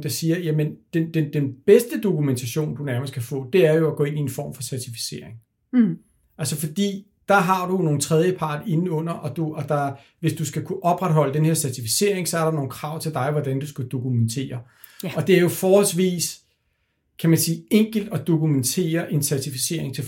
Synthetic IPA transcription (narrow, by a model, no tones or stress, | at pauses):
d̥ɑ̈siːɐjæmənd̥end̥end̥enb̥esd̥əd̥o̝kument͡sʰæɕo̝̰ːnd̥unæɐməskʰæfɔ̰̽ːd̥e̝æɐjo̝æɡ̥ɔ̽ːe̝nienfɒ̰ːmfɒ̽sæɐt͡sʰifi̥se̝̰ɐ̰eŋ | ʔælsəfɒ̽d̥ḭː | d̥ɑ̈ɦɑ̈d̥uno̝ːn̩t͡sʰʁɛð̞ˠjəpʰɑ̈ːd̥e̝n̩ɔ̽n̰ɐʔɒ̽d̥uɒ̽d̥ɑ̈ | ʋe̝sd̥usɡ̥ækʰuʔɒ̽b̥ʁad̥ɦɒ̽l̰əd̥enhe̝ɐsæɐt͡sʰifise̝̰ɐ̰eŋsɒ̽æɐɾɑno̝ːn̩kʰʁɑ̈ʊ̰t͡sʰe̝ld̥ɑ̈ɪʋɒd̥ænd̥usɡ̥æd̥o̝kument͡sʰe̝̰ːɐ | ɒ̽d̥e̝æɐjo̝fɒːhɒlsʋḭːs | kʰæmænsiːeŋ̰ɡ̥l̩d̥ɒ̽d̥o̝kument͡sʰe̝̰ːɐʔe̝nsæɐt͡sʰifise̝̰ɐ̰e̝ŋt͡sʰe̝